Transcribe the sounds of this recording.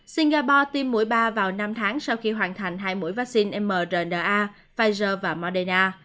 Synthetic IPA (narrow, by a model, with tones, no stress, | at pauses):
si˧nɣaː˧pɔ˧t̪i˧mːṵ˧˥əjɓaː˧vaː˨˩wna˧mt̪ʰaː˨˦ŋsa˧wxi˧ɦwaː˨˩nt̪ʰa˨˩jŋ̟ɦaː˧jmu˧˥jvaː˦˥k̚si˧nʔɛ˧mːəː˨˩zəː˨˩nɗəː˨˩ʔaː˧ | faː˧jzəː˧vaː˨˩mɔ˧ɗe˧naː˧